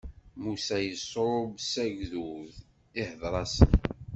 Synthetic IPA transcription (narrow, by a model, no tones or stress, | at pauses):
musæjəsːɾˤobsæʝðuð | ɪhəðɾˤɑsən